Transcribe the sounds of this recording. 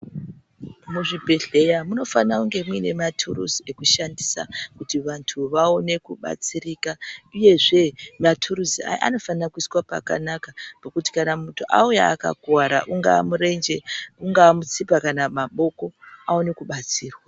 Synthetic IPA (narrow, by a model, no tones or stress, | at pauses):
muʐibʱe̞ɮe̞jamuno̞fanauŋɡe̞muine̞matʰṵrṵzie̞kuʃandisa̰kutiʋantʰuʋaone̞kuɓa̰t͡sirikauje̞ʐe̞matʰuɾuzia̰ʔa̰no̞fanakuiswapa̰ka̰nakapakuti̥kanamutʰuʔauja̰ːka̰ɡwaɾa̰ʔuŋɡamuɾend͡ʒeuŋɡaːmut͡sipakanamaɓo̞ko̞aone̞kuɓat͡siːrwa